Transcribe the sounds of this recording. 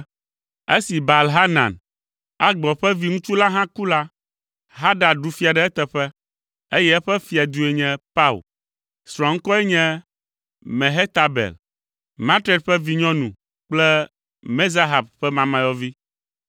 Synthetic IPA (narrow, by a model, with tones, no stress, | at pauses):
e˦si˨ba˨lɦa˦nã̰˨n | a˦ɡ͡bɔ˨ɸɛ˦vi˨ŋũ˦t͡ʃu˦la˦ɦã˦ku˦la˦ | ɦa˦ɖa˨ɖu˨fi˦a˨ɖɛ˨˦ɛ˦t̪ɛ˨ɸɛ˦ | e˦jɛ˦ɛ˦ɸɛ˦fi˨a˨d̪u˦e˨ɲɛ̃˦pa˦ṵ˨l | sɾɔ̃˨ŋ̩˦kɔ˦ɛ˦ɲɛ̃˦ | mɛ̃˨ɦɛ˦t̪a˨bɛ̰˨l | mã˦t̪ɾe˦t̚ɸɛ˦vi˨ɲɔ̃˦nũ˨ | k͡plɛ˦ | me˦za˦ɦa˨b̚ɸɛ˦mã˨mã˨jɔ˦vi˦